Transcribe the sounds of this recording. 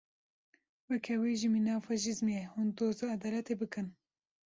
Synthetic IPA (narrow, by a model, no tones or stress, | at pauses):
wɛkʰɛwiːʒiminɑːfɑʃ̬izmehund̪oːzɑɐd̪ɑːlɛt̪eːbɨkɨn